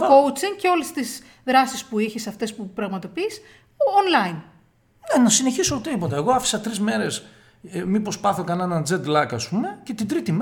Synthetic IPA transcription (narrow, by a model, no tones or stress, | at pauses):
kout͡siŋɡceo̞lest̪iz | ðɾɐsispuiçisɐft̪e̞spupɾɐɣmɐt̪o̞piːs | onlɐin | nenɐsine̞çisoːt̪iðipo̞t̪ɐeɣo̞ɐfi̥sɐt̪ɾizme̞ɾe̞s | mipospɐθokɐnenɐnd͡ze̞d̪lɐkɐspume̞ce̞t̪ind̪ɾit̪im